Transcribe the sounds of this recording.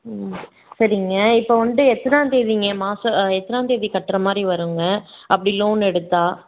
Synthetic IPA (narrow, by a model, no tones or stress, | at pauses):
sɐɾɪŋɡɐɪpːoʋɐnd̪ɯɛt̪ːɐɾãːt̪eːðiŋɡɐmaːsɐɛt̪ːɐɾãːnt̪eːðikɐʈːɾɐmaːd̪ɾiʋɐɾɯŋɡɐɐpːɐɽiloːnɛɽɯt̪ːaː